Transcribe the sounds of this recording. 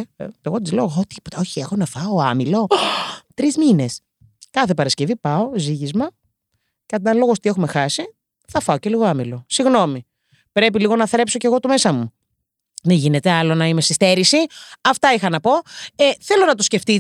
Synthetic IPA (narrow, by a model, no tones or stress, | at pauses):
eɣo̞t̪izleoot̪i̥pot̪ɐo̞çiexonɐfɐoɐmilo̞t̪ɾizmine̞s | kɐθe̞pɐɾɐscevipɐo̞ziʝizmɐ | ceɐt̪ɐnlo̞ɣost̪ie̞xume̞xɐsi | θɐfɐoce̞liɣo̞ɐmilo̞siɣno̞mi | pɾe̞p̬iliɣo̞nɐθɾe̞pso̞ce̞ɣo̞t̪ume̞sɐmu | ðeʝine̞t̪eɐlo̞nɐime̞sist̪e̞ɾisiɐft̪ɐixɐnɐpo̞eθe̞lo̞nɐt̪osce̞ft̪i